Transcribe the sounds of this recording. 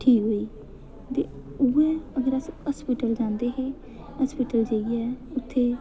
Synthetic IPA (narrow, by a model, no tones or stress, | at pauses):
ʈʰiːkɦoːiː | t̪ḛ | ʊɛːəɡəɾəsəspiːʈəld͡ʒãːnd̪eːɦeː | əspiːʈəld͡ʒeːɡɛʊt̪ʰːeː